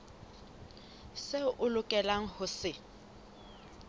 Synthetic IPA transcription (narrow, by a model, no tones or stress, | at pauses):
seʔʊlʊkʼɛlaŋ̩hʊsɪ